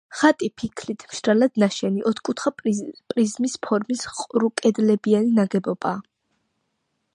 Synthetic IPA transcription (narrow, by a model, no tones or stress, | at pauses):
χat̪ʼipʰikʰlit̪ʰmʃɾalad̪naʃɛniʔɔt̪ʰkʼut̪ʰχapʼɾizmispʰɔɾmisqʼɾukʼɛd̪lɛbianinaɡɛbɔb̥aː